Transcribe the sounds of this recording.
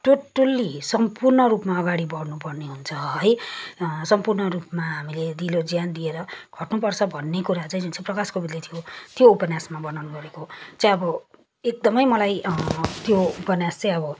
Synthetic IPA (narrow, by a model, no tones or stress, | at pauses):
ʈoʈʌlisʌmpurnʌɾupmaʌɡaɽibʌɽnupʌrneɦunt͡sʰʌɦʌj | sʌmpurnʌɾupmaɦamiled̪ilod͡zjand̪ieɾʌɡ̥ʱʌʈnupʌrt͡sʰʌbʱʌnːekuɾat͡saĩd͡zunt͡saĩprʌkaskobid̪lit̪ʰjot̪joupʌnjasmabʌnawnuɡʌɾekot͡saj̃ʌbʌ | ek̚d̪ʌmʌjmʌlajt̪joupʌnjast͡saĩʌbʌ